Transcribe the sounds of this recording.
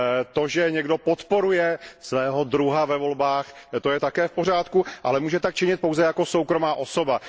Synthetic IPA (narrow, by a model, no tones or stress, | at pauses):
t̪o̞ʒɛɲɛɡdopot̪po̞ɾujɛsvɛːɦo̞d̪ɾuɦavɛvo̞lbaːxt̪o̞jɛt̪akɛːfpor̝aːt̪kuʔalɛmuːʒɛt̪ak̚t͡ʃɪɲɪt̪̚powzɛjako̞sowkɾo̞maːʔo̞so̞ba